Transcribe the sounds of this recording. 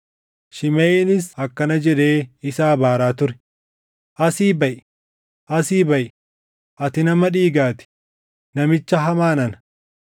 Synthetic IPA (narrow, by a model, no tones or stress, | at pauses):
ʃɪmeːɪnɪsɐkːɐnɐd͡ʒɛᶑe̞ːɪsaːbaːɾaːt̪ʊɾɛ̥ | ʔɐsiːbɐʔɪ | ʔɐsiːbɐʔɪ | ʔɐt̪ɪnɐmɐᶑiːɡaːt̪ɪ̥ | nɐmɪt͡ʃːɐɦɐmaːnɐn